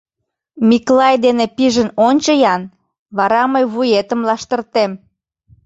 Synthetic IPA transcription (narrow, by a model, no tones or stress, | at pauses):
miklɑjd̪enepiʒənonʲt͡ɕəjɑn | βɑɾɑməjβujet̪əmlɑʃt̪ərt̪em